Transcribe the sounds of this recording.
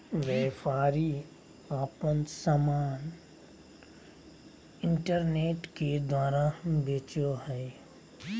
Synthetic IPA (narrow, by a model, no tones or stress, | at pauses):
ʋɛːpaːɾi | aːpənsamaːn | ɪ̃ɳʈəɾneːʈked̪waːɾabeːt͡ʃoɦɛ